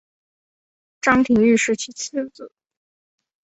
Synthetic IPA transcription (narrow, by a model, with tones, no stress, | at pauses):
ʈ͡ʂɑ˥ŋt̪ʰi˧˥ŋy˥˧ʂɻ̩˥˩t͡ɕʰi˧˥t͡s̩ʰ˥˩t͡s̩˨˩˦